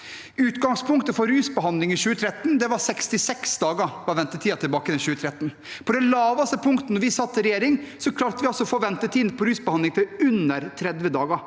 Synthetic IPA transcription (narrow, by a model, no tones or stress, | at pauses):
ʉːt̪ɡɑŋspʰʊŋkt̪əfɔɾɾʉːsbəɦɑnd̪lɪŋɪçʉːət̪ʰɾɛt̪ːnd̪ɛʋɑsɛkst̪ɪsɛksd̪ɑːɡəʋɑʋɛnt̪ət̪ʰiːɑt̪ʰɪlbɑːkəɛnɕʉːət̪ʰɾɛt̪ːn | pʰɔd̪ɛlɑːʋɑst̪əpʰʊŋkt̪ənɔɾʋɪsɑt̪ːəɾɛjeːɾɪŋsɔkʰlɑːɾt̪əʋɪɑlsɔfoːʋɛnt̪ət̪ʰiːd̪npʰɔɾʉːsbəhɑnɪŋfɔʉnəɾt̪ʰɾɛd̪ʋjəd̪ɑːɡə